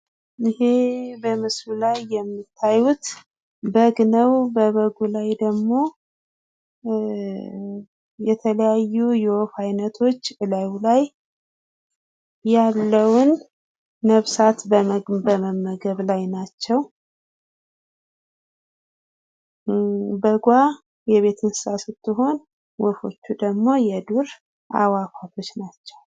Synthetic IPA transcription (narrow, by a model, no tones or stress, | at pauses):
ʔihebəmɨslulajːɛmːit̪ʰːajut̪ | bəɡnəwbəβəɡulajd̪əɡmo̞ | jɛt̪ʰələjajːujɛofajnət̪ʰo̞t͡ʃːɨlawlaj | alːəwʊnː | əβsat̪bəbəməmːəɡəβlajnat͡ʃːɛw | bəɡʷa | jɛβe̞t̪ʰɨnsɨ̥sasɨt̪ːɨɦo̞n | wɔfo̞̰t͡ʃːud̪əɡmo̞jɛd̪uɾ | ʔa̰wakʰʷat̪ʰo̞t͡ʃːnat͡ʃːɛw